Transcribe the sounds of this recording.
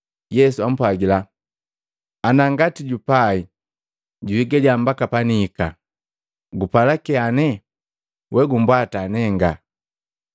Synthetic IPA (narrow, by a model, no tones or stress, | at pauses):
jɛsuam̩pwaɡila | anaŋɡatiɟupai | ɟuiɡaliambakapaniːka | ɡupalakɛanɛ | wɛɡumbwatanɛŋɡa